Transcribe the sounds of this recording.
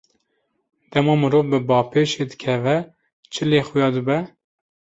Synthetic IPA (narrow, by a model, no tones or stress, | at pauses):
d̪̥ɛmɑːmɨɾoːvbɨbɑːpʰeːʃeːd̪ɨ̥kʲʰɛvɛ | t͡ʃʰɨleːxʊjɑːd̪ɨbɛ